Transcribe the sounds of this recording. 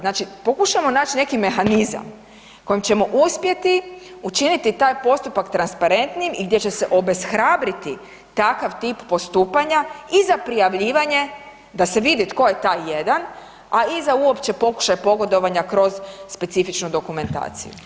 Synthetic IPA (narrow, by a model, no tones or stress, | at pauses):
znaːt͡ʃipo̞kuʃamo̞naːt͡ʃine̞kime̞xaniza̰m | ko̞jimt͡ɕe̞mo̞ʔuspje̞t̪iut͡ʃinit̪it̪aːjpo̞st̪upakt̪ɾanspaɾe̞nt̪nijimiɡd̪ʲje̞t͡ɕe̞se̞ʔo̞be̞sxɾaːbɾit̪i | t̪akaʋt̪iːppo̞st̪uːpaɲaizapɾijaʋʎiːʋaɲe̞ | d̪ase̞ʋid̪it̪ko̞jet̪aːjːe̞d̪an | aizauo̞pt͡ʃe̞po̞ku̥ʃajpo̞ɡo̞d̪o̞ʋaɲakɾo̞zspe̞t̪sifit͡ʃnud̪o̞kume̞nt̪a̰ːt̪sḭjṵ